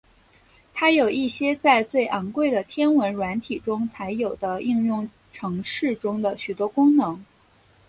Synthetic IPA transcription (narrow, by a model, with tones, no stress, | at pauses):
t̪ʰa˥jo˨˩ʊi˥˩ɕjɛ˥t͡sa˥˧ɪt͡swe˥˩ɪʔɑ˧˥ŋkwe˥˩ɪd̪ə˩t̪ʰjɛ˥nwə˧˥nɻwa˧˥nt̪ʰi˨˩ʈ͡ʂʊ˥ŋt͡sʰa˧˥ɪjo˨˩ʊd̪ə˦i˥˧ŋjʊ˥˩ŋ | ʈ͡ʂʰɤ˧˥ŋʂɻ̩˥˩ʈ͡ʂʊ˥ŋd̪ə˨ɕy˨˩t̪wɔ˥kʊ˥ŋnɤ˧˥ŋ